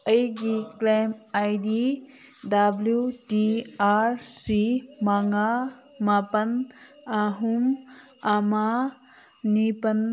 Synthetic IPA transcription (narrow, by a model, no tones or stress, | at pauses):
əjɡiklemajdi | dabljuʈiaːɾsimaŋɡa | mapɐn | aɦum | ama | nipɐn